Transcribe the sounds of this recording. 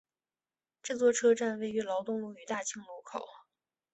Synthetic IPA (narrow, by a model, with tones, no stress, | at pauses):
ʈ͡ʂɤ˥˩t͡swɔ˥˩ʈ͡ʂʰɤ˥ʈ͡ʂa˥˧nwe˥˩ɪy˧˥lɑ˧˥ʊt̪ʊ˥˧ŋlu˥˩y˧˥t̪a˥˩t͡ɕʰi˥˩ŋlu˧˥kʰo˨˩˦ʊ